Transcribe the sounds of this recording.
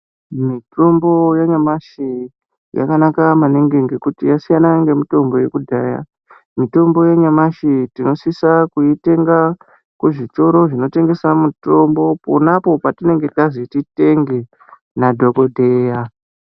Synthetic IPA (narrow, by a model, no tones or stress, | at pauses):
mitʰo̞mbo̞jaɲamaʃi | ja̰kanakamaneŋɡeŋɡe̞kutijasijanaŋɡe̞mito̞mbo̞je̞kudʱaːja̰ | mito̞mbo̞jeɲamaʃitino̞sisakuite̞ŋɡa | kuʐito̞ɾo̞ʐino̞te̞ŋɡe̞samuto̞mbo̞po̰napo̞patine̞ŋɡe̞azitite̞ŋɡe | nadʱo̞ko̞dʱe̞ja